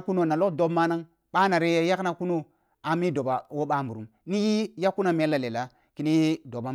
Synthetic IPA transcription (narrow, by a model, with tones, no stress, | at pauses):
ku˦no˦na˨lo˦kdo˦bma˦na˦ŋ | ɓa˦na˨ɾe˦je˦ja˦kna˦ku˦no˦ | a˨mi˦do˨ba˨wo˦ɓa˦˨mbu˨ɾu˨mni˦ji˦ja˦kːu˦na˦m˦e˦la˨le˨la˨ | ki˦ni˦do˨ba˦